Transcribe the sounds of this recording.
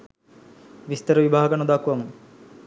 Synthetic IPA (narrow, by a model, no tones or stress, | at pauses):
ʋist̪əɾəʋibaːaɡanud̪akʋaŋ